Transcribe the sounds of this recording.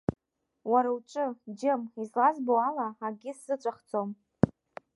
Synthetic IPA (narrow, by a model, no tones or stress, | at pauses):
waɾauʈ͡ʂʷʼɨd͡ʒɪmizlazbowalaaɡʲɪsz̥ɨt͡ʃʷʼaχt͡sʰʼom